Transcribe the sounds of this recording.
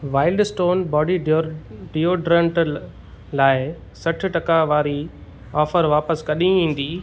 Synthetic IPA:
ʋaːɪlɖsʈoːnbɔːɖi | ɖijoɖɾɐ̃ɳʈ | laːɪ | sɐʈʰʊ̆ʈɐkaʋaːɾi | ɔːfəɾʋaːpəskɐɗĩĩːn̆d̪iː

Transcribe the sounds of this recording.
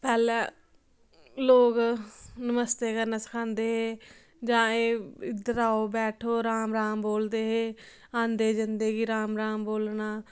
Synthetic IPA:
pɛːlɛː | loːknəməst̪eːkəɾnaːsə̥kʰãːnd̪eːɦeː | d͡ʒãːeːɪd̪əɾaːoːbɛːʈʰoːɾaːmɾãːmboːld̪eːɦeː | ãːnd̪eːd͡ʒɪnd̪eːɡiːɾaːmɾaːmboːlnaː

